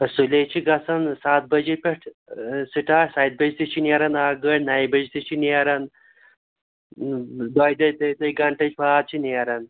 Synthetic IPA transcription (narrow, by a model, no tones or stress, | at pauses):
ɐsulet͡ʃʰiɡɐsɐnsaːt̪̚bɐd͡ʒipʲeʈʰ | siʈaːsaːjt̪̚bɐd͡ʒit̪it͡ʃʰiniɐɾɐnaːɡəɽnɐibɐd͡ʒit̪it͡ʃʰiniɐɾɐn | d̪oːjd̪ɐt̪ɐt̪ɐjɡɐɳʈɐt͡ʃpʰaːt̪̚t͡ʃʰiniɐɾɐn